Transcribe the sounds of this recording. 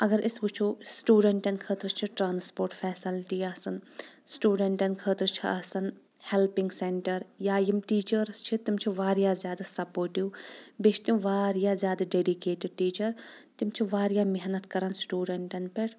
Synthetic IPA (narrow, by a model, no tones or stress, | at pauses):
ɐɡəɾʔɪsbʊt͡ʃʰuːsʈuːɖeɳʈɐnkʰəːt̪ɾt͡ʃʰiʈɾãːnspoːɾʈfʰɛːsɪlʈiːaːsɐnsʈuːɖeɳʈɐnkʰəːt̪ɾt͡ʃʰiʔasɐn | hɛlpɪ̃ŋɡseɳʈɐɾjaːjimʈiːt͡ʃəɾst͡ʃʰit̪ɪmt͡ʃʰiʋaːɾjaːzjaːd̪asɐpoːɾʈiuːbet͡ʃʰt̪jũʋaːɾjaːzjaːd̪aɖeːɖikeːʈɪɖʈiːt͡ʃɐɾt̪ɪmt͡ʃʰiʋaːɾjaːmɪɦnɐt̪kɐɾansʈuːɖeɳʈɐnpɐɾ